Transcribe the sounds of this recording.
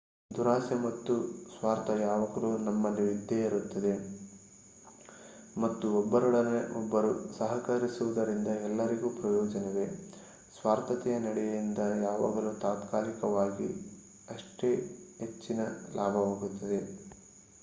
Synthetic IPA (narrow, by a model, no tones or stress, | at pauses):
d̪uɾaːsjɐmɐt̪ːusʋaːɾt̪ɐjaːʋɐɡɐluːnɐmːɐniʋid̪ʱjeiɾut̪ːɐd̪e̞ | mɐt̪ːuɔbːɐɾuɽɐneʔɔbːɐɾusɐɦɐkɐɾisuʋud̪ɐɾind̪ɐɛlːɐɾiɡuːpɾɐjɔːd͡ʒɐnɛʋe̞ | sʋaːɾt̪ɐt̪ɛjɐnɐɽɛjɐjind̪ɐjaːʋa̰ːɡɐlut̪aːt̪kaːlikɐʋaːɡḭ | ɐʂʈe̞ːɦet͡ʃːinɐlaːbʱɐʋaːɡut̪ːɐd̪e̞